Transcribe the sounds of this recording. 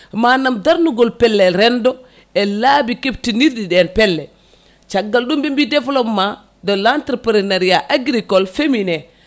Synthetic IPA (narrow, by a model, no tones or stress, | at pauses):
manamdaɾnuɡolpɛlːeɾɛndo | elabikep̚tiniɾdidenpɛlːe | t͡ʃaɡːalɗumbimbidevlopma | dolantɾepɾinaɾijaʔaɡɾikolfemine